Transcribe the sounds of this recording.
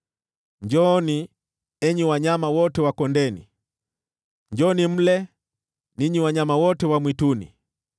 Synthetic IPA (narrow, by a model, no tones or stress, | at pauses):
ɲd͡ʒɔni | ɛɲiwaɲamawɔtɛwakɔndɛnḭ | ɲd͡ʒɔnim̩lɛ | niɲiwaɲamawɔtɛwamwitunḭ